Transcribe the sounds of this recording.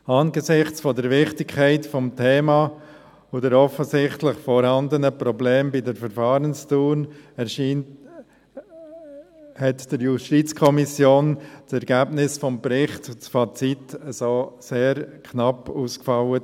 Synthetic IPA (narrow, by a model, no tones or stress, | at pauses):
ɑːnɡəzɪχt͡sfɔdəɾvɪχtɪkʰːɛɪtfɔmtʰeːmɑ | ʊdəɾɔfəzɪχtlɪχfɔɾhɑndənəpɾɔbleːmbidəɾfəɾfɑːɾənstuːnɛɾʃiːn | hɛtd̥əɾjuʃtit͡skʰɔmisjoːnt͡sɛɾɡ̥æbnɪsfɔmbɾɪχtʊt͡sfɑt͡sitəsoːseːɾkʰnɑpuːskfɑwə